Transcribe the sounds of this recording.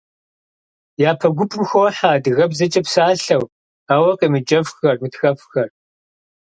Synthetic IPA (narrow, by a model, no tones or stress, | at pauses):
jaːpʰɐɡʷʊpʰʼɨmxowħaːdɨɣɐbzɐt͡ʃʼɐpsaːɬɐw | aːwɐqʼiːmɨd͡ʒʼɐfxɐrmɨtxɐfxɐr